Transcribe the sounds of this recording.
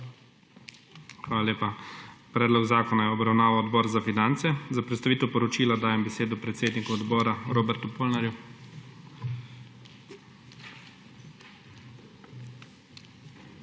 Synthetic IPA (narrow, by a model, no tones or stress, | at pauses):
xʋaːlalʲeːpapɾɛːd̪lɔɡzaːkɔnajɛɔbɾawnaːʋawɔd̪bɔːɾzafinant̪sɛzapɾɛt̪st̪aʋiːt̪ɛwpɔɾɔt͡ʃiːlad̪aːjɛmbɛseːd̪ɔpɾɛt̪seːd̪nikuɔd̪bɔːɾaɾoːbɛɾt̪upoːlnaɾju